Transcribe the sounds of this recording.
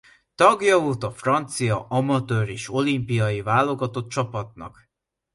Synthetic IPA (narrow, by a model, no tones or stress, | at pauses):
t̪ɒɡjɒoːt̪ɒfrɒnt̪sijɒʔɒmɒt̪øːɾeːʃo̞limpijɒjivaːlːo̞ɡɒt̪ot̪̚t͡ʃɒpɒt̪̚nɒ̰k